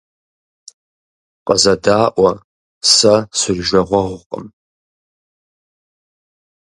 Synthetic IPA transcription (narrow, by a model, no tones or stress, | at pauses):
qʼəzadaːʔʷa | sasɨrʒᶣʷaʁʷaʁʷqʼə̰m